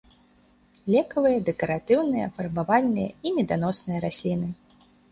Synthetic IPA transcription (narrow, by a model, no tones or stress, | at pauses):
lʲɛkɐvɨjɐd̪ɛkɐɾat̪ɨwnɨjɐfɐrbavalʲnɨjɐ̰imʲɛd̪an̪ɔsnɨjɐɾasʲlʲinɨ